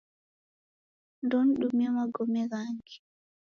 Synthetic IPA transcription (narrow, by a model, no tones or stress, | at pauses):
ndɔnɗumɛmaɡɔmɛɡaŋɡi̥